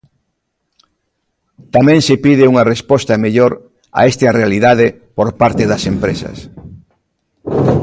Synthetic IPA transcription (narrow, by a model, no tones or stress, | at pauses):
t̪amɛ̃ŋsepiðɪuŋɐrespɔst̪ɐmeʎoɾ | a̰est̪arealiðaðe | poɾpaɾt̪eðɐsempɾesɐ̰s